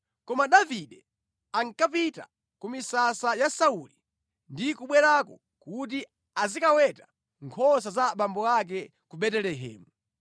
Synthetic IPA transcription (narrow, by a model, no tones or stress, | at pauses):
kɔmaɗaviɗɛ | aŋkap̬ita̰ | kumisasajasauli | ndikuɓwɛɾakɔ | kut̬i | azikawɛta | ŋkʰɔs̬azaɓambɔak̬ɛ | kuɓɛtɛlɛɦɛ̰ːmu